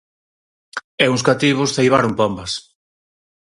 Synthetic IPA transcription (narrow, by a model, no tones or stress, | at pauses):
ɛuŋs̬kat̪iβ̞ʊsθejβaɾʊŋpombɐs